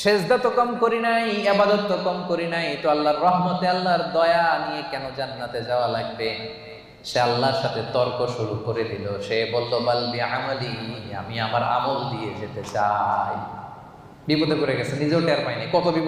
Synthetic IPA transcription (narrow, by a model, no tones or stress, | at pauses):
ʃezd̪at̪okɔmkoɾinajebad̪ɔt̪ːokɔmkoɾinajt̪oalːaɾːɔɦmat̪ealːaɾd̪ɔjanijekɛnod͡ʑanːat̪ed͡ʑaoalaɡ̚be | ʃealːaɾʃat̪ʰet̪ɔɾkoʃuɾukoɾed̪iloʃebɔlːobalbiʕamalia̰miamaɾa̰mold̪ied͡ʑet̪et͡ɕaj | bibod̪ekoɾeɡɛt͡ɕʰenid͡ʑeʈɛɾmajnajkɔt̪obip